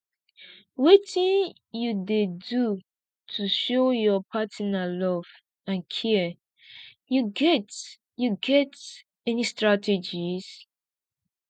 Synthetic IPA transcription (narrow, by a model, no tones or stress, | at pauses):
wetĩn | judedu | tʰuʃojɔpʰatinalɔv | ãnkʰi | juɡɛt | juɡɛt | ɛnistɹatʰed͡ʒis